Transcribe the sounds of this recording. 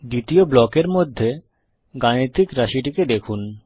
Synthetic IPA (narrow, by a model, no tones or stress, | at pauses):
d̪it̪ioblɔkeɾmod̪ʱːe | ɡanit̪ikɾaʃiʈiked̪ekʰun